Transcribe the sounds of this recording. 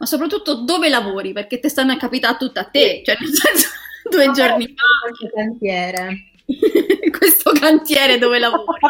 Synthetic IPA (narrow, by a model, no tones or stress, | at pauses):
masːopɾat̪ːut̪ːod̪oːvelavoːɾiperk̟et̪ːest̪anːoakːapit̪at̪ːut̪ːat̪ːet͡ʃoɛnːonsɛnsḁd̪uːed͡ʒornifaest̪okant̪jɛːɾe | kwest̪okant̪jɛːɾed̪oːvelavoːɾi